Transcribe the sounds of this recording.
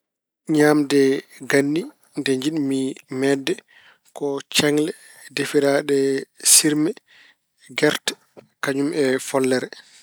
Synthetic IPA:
ɲaːmdɛɡanːi | ndɛɲd͡ʒiɗmimɛdɛ | kɔt͡ʃɛŋlɛ | defiɾaɗɛsiɾmɛ | ɡɛɾt | kaɲumɛfɔlːɛɾɛ

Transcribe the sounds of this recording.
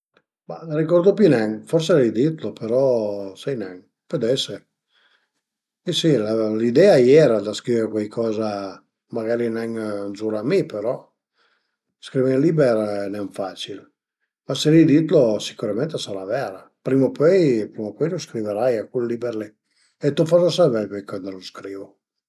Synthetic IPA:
ma̰aɾikɔɾd̪opinɛŋfɔrselɛjd̪it̪lopeɾɔsɛjnɛŋ | pød̪ɛse | isilalid̪ɛajɛːɾad̪askɾiveɾkwajkʰɔːza | maɡaɾinɛŋnzuɾamipeɾɔ | skɾivelibeɾnɛɱfat͡ʃil | maseɾid̪it̪losi̥kuɾamɛnt̪esaɾavɛɾa | pɾimopøjpɾimopɔjloskɾiveɾajakulːibɛɾle | et̪ufɔsasavɛlkwɛjkɔnd̪d̪aloskɾiːvo

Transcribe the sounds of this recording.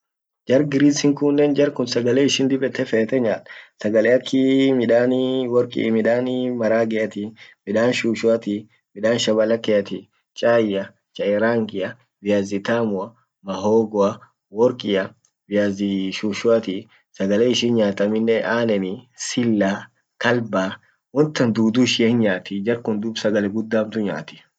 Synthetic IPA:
d͡ʒɐɾɡɪɾiːsɪŋkʊnːeːnd͡ʒɐɾkʊnsɐɡɐleːɪʃɪnd̪ɪbɛt̪ːɛfɛːt̪ɛɲaːt̪ɐ̥sɐɡɐleːɐkʰːɪmɪᶑaːnwɔɾkʼḭmɪᶑaːnmɐɾaːɡɛɐt̪imɪᶑaːnʃuːʃʊɐt̪i | mɪᶑaːnʃɐbɐlɐkːɛɐt̪i | t͡ʃʼaːjɐ | t͡ʃʼɐɛɾaːŋɡɪjɐ | bɪjaːzɪt̪aːmʊɐ | mɐɦoːɡɔɐ | wɔɾkʼɪjɐ | bɪjaːzɪʃuːʃʊɐt̪i | sɐɡɐleːɪʃɪnɲaːt̪ɐmɪnːɛʔaːnɛnɪsɪlːaː | kɐlbaː | wɔnt̪ːɐnd̪uːd̪uːʃɪɛːnɲaːt̪ɪd͡ʒɐɾkʊnd̪ʊbsɐɡɐlɛɡʊd̪ːaːmt̪ʊɲa̰ːt̪ɪ̥

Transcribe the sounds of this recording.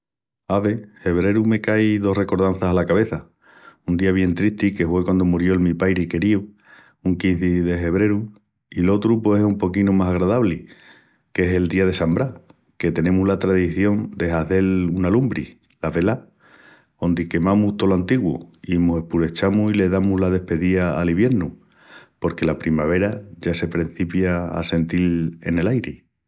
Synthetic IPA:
aβe̞he̞β̞ɾe̞ɾume̞kajðo̞hre̞ko̞ɾð̞an̟θasalakaβe̞θa | und̪iaβje̞nt̪ɾiht̪ike̞fwe̞kwand̪o̞muɾjo̞lmipajɾike̞ɾiu | uŋkinθiðe̞fe̞βɾe̞ɾu | ilo̞t̪ɾupwe̞sehumpo̞kinumasaɣɾaðaβli | ke̞ɦe̞ld̪iaðe̞sambɾa | ke̞t̪e̞nẽ̞muɦlat̪ɾaðiθjo̞nd̪e̞ɦaθe̞lunalumbɾi | laβe̞la | o̞nd̪ike̞mãmuht̪o̞loant̪iɣwo̰imuse̞hpuɾe̞t͡ʃamusile̞ðamuɦlað̞e̞hpe̞ðiaːliβje̞ɾnu | po̞ɾkelapɾimaβ̞e̞ɾaʝase̞pɾen̟θipjaa̰se̞nt̪ile̞̰ne̞lajɾe

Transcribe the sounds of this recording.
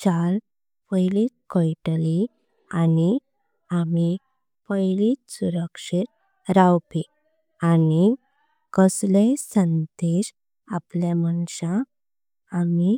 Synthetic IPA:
t͡ɕal | pəjlit̪̚kɔjʈli | ani | ami | pəjlisuɾəkʂit̪̚ | ɾawpi | ani | kəslesənd̪eɕ | aplamənɕãː | mi

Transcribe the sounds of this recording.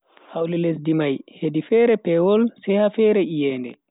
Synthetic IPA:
hawliles̬dimajhedifɛɾɛpɛwɔlsɛjhafɛɾɛʔijɛːndɛ̰

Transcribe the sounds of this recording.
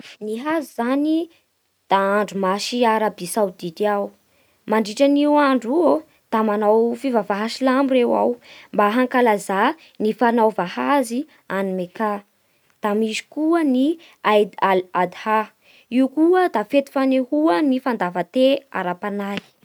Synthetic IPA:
niɦazizani | d̪̥aaɳɖ͡ʐumaʃiaɾabisawd̪id̪iaw | maɳɖ͡ʐiʈ͡ʂaniwaɳɖ͡ʐuo | d̪̥amanawfivavaɦaʃilamurewa̰wmbaɦaŋkalaza | nifanawvahazi | animeka | d̪̥amizi̥kuəni | aj̪aad̪ha | iukuəd̪afet̪i̥fanehuənifand̪avət̪ea̰ɾapanaj

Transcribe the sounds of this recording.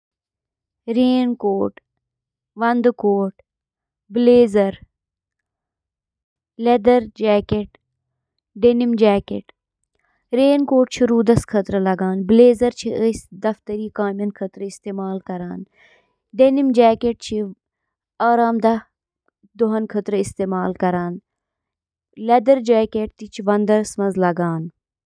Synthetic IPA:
ɾeːnkoːʈ | ʋɐnd̪koːʈ | bleːzɐɾ | led̪ɐɾd͡ʒɛːkeʈ | ɖenimd͡ʒɛːkeʈ | ɾeːnkoːʈt͡ʃʰiɾuːd̪ɐskʰɐt̪ɾəlɐɡaːnbleːzɐɾt͡ʃʰiəsd̪ɐft̪əɾiːkaːmjɐnkʰɐt̪ɾəist̪eːmaːlkɐɾaːn | ɖenimd͡ʒɛːkeʈ̚t͡ʃʰi | aːɾaːmd̪ɐ | d̪oɦɐnkʰət̪ɾəɪst̪eːmaːlkɐɾaːn | led̪ɐɾd͡ʒaːkeʈ̚t̪it͡ʃʰiʋɐnd̪ɐɾsmɐnzlɐɡaːn

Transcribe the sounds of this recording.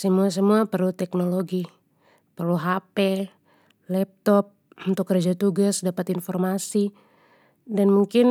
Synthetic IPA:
səmuas̬əmuapərlut̪ɛk̚noloɡi | pərluɦapɛ | lɛp̚t̪ɔp̚ | unt̪ʊk̚ɡəɾd͡ʒat̪uɡasdapat̪infɔrmasi | danmuŋkɪn

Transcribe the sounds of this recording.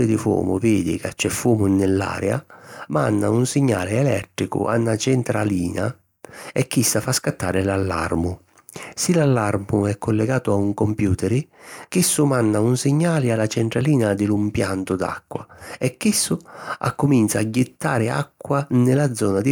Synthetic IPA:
ɪd̪ɪfwɔ̰ːmʊ̰veːd̪ɪ̰kat͡ʃːɛfːɔːmʊnɪlːa̰ːɾɛa̰ma̰nːa̰unsɪɲːa̰ːlɪɛlɛt̪ɾikʊ̰ʔa̰nːat͡ʃɛnt̪ɾaliːna̰ | ɛkːisːafaskat̪ːaːɾɪlalːa̰rmʊ | silalːarmʊɛkːʊlːɛɡaːt̪ʊauŋkompjuːt̪ɛɾɪkisːʊmanːaunsɪɲːaːlɪalːat͡ʃɛnt̪ɾaliːnad̪ɪlumpjant̪ʊd̪a̰kːwa̰ɛkːisːʊa̰kːʊmint̪saːɟːɪt̪ːaːɾɪa̰kːwanɪlad̪zːɔːnad̪ɪ

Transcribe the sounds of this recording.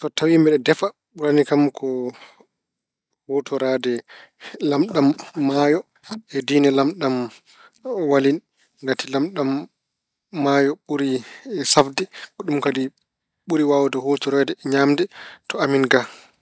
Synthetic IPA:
tɔtawimbɛɗɛdɛfa | ɓuɾanikamkʰɔ | hotʰɔɾadɛ | lamɗamːaːjɔ | ɛdiːnɛlamɗam | walin | ɡatʰilamɗamː | ajɔɓuɾisafdɛkɔɗumkadi | ɓuɾiwaːwɔdɔhotɔɾadɛɲaːmdɛtɔaminɡa

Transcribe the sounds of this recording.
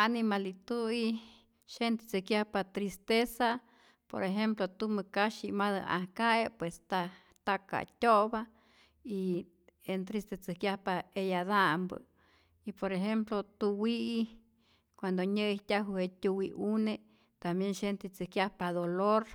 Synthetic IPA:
animalit̪ui | ʃent̪et͡sɨkjahpat̪ɾist̪esa | po̰ɾeɦemplot̪uməkaʃimaðə̰ʔa̰hkaepwest̪a | t̪aka̰t̪ʲoβa | i | ent̪ɾist̪et͡sɨkjahpaejaðambə̰ | ipoɾeɦemplot̪uwii | kʷand̪oɲəiht̪ʲaɦuhet̪ʲuwiune | t̪ambjenʃent̪et͡sɨkjahpaðoloɾ

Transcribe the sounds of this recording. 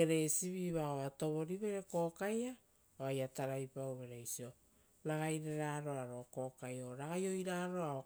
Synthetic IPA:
eɾe̞siβiβaoato̞βo̞ɾiβe̞ɾe̞ko̞ːkaja | oajataɾajpawβe̞ɾejsio̞ | ɾaɡajɾeɾaːɾo̞aɾo̞ko̞ːkajo̞ɾaɡajo̞jɾaːɾo̞ao

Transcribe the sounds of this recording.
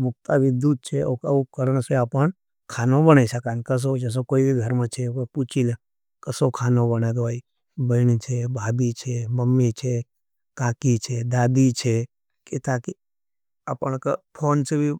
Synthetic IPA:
bʊk̚t̪abɪd̪ud̪̚t͡ʃʰeokəũkəɾəɳ̃seapəɳ | kʰaːnõbənaiʃəkaːnkəs̬od͡ʒəs̬okoːibiɡʱəɾmãt͡ʃʰekoput͡ʃʰil | kəsokʰaːnõbənad̪oi | bəɪnit͡ʃʰebʱaːbit͡ʃʰeməmːit͡ʃʰe | kaːkit͡ʃʰed̪aːd̪it͡ʃʰe | ket̪aki | aːpəɳ̃kəpʰoːnsebʱi

